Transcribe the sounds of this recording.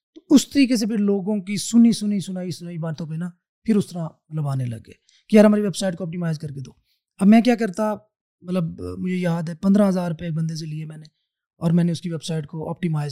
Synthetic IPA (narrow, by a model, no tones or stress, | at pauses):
t̪oʊst̪əɾiːkes̬epʰɪɾloːɡõkisʊnisʊnisʊnaːisʊnaːibaːt̪ʰõːpenaː | pʰɪɾʊst̪əɾãmɐt̪ləbaːnelə̰ɡːḛː | kijaɾɦɐmaːɾeʋeːbsaːɪʈkoɔːp̚ʈiːmaːɪzkɐɾked̪o̰ː | ɐbmɛ̃ːk̬jaːk̬ɐɾt̪a | mɐt̪ləbmʊd͡ʒʱejaːd̪ɦɛːpɐ̃nd̪ɾãɦəzaːɾʊpeːk̚bə̃nd̪es̬eliemɛ̃ːneː | ɔːɾmɛ̃ːneʊskiʋeːbsaːɪʈ̚koʔɔ̰ːp̚ʈimaːɪz